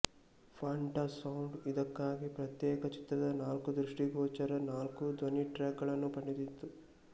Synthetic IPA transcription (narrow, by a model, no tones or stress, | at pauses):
pʰaːɳʈɐsɐwɳɖid̪ɐkːaːɡipɾɐt̪jɛːkɐt͡ʃi̥t̪ɾɐd̪ɐnaːlkud̪ɾuʂʈiɡɔːt͡ʃɐɾɐnaːlkud̪ʋɐniʈɾaːɡɡɐɭɐnːupɐɳɖid̪it̪ːu